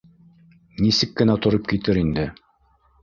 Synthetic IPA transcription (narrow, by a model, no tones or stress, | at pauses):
nisɘkːɘ̆næt̪ŏɾɤp̚kit̪ɘɾind̪ɘ